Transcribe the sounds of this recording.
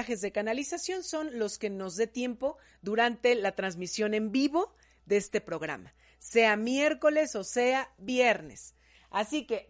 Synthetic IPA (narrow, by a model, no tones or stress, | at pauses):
axe̞zðe̞kanalisasjo̞nso̞nlo̞ske̞no̞zðe̞t̪je̞mpo̞ | ðuɾant̪e̞lat̪ɾanz̬misjo̞ne̞mbiβo̞ | ðeest̪e̞pɾo̞ɣ̞ɾa̰ma | se̞amje̞ɾko̞le̞so̞seaβjeɾne̞̰s | asike̞